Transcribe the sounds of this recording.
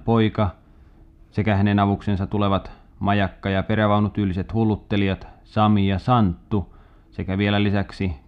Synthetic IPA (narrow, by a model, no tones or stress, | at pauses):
poikɑ | sekæhænenɑʋuksensɑt̪uleʋɑt̪ | mɑjɑkːɑjɑpeɾæʋɑunut̪yːlːiset̪hulːut̪ːeliɑt̪ | sɑmijɑsɑnt̪ːu | sekæʋielælisæksi